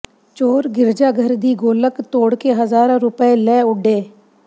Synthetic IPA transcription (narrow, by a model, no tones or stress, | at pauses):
t͡ʃoːɾɡɪɾd͡ʒaːɡʱəɾd̪iːɡoːləkt̪oːɽkeɦəzaːɾãɾʊpəelɛːʊɖeː